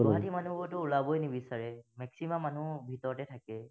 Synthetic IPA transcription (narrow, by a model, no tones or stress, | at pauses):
ɦatimanubɔtʊulabojnibisaɹɛmɛksimamːanubʱitɔɹɔtɛtʰakɛ